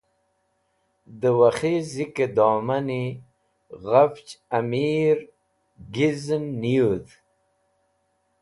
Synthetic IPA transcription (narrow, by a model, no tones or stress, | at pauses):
d̪əwaχiziked̪ɔːmani | ɣaft͡ʃamiɾ | ɡiznːiud̪